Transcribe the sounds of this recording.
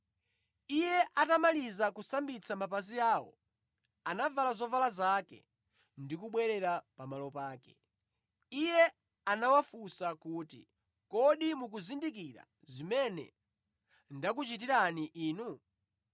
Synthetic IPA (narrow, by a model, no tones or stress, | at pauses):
ijɛʔatamalizakusambit͡sʰamap̬aziaːwɔ̰ | anavalazɔvalazakɛ̰ | ndikuɓwɛɾɛɾapamalɔpaːkɛ̥̰ | ijɛ | anawafusakuːtḭ | kɔɗimuk̬uzindikiɾa̰ | zimɛnɛ̰ | ndak̬ut͡ʃit̬iɾaniʔiːnu